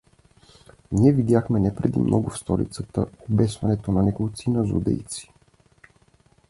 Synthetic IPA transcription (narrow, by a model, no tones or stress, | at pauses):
niɛvid̪ʲjaxmɛnɛpɾɛd̪ḭmnʔɔɡʊfst̪ɔlḭt̪sət̪əobɛsvɐnɛt̪onɐnɛkolˠt̪sinəzṵd̪ɛ̰jt̪si̥